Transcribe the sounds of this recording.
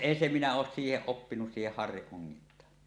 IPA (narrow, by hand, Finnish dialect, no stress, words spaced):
eːn se minæ oːs siːheʔ ʔopːinus siːheh hɑrːiʔ ʔoŋːintˑɑː